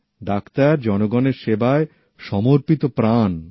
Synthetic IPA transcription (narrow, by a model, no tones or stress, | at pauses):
ɖakt̪aɾd͡ʑɔnoɡɔneɾʃebae | ʃɔmoɾpit̪opɾan